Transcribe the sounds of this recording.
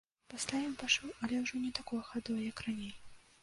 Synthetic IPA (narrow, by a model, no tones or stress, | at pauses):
pasʲlʲajʲiwpaʂɔwɐlʲɛwʐɔnʲɛt̪akɔjɐxad̪ɔjɐjɐkranʲelʲi